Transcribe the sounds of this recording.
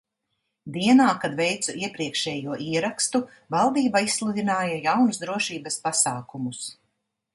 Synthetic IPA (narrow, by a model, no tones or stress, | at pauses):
d̪iɛnaːkad̪vɛjt̪suiɛpɾiɛkʃɛːjuɔʔiɛɾakst̪u | valˠd̪iːbaissːlˠud̪ʲinaːjajawnusd̪ɾuɔʃiːbɐspasaːkumus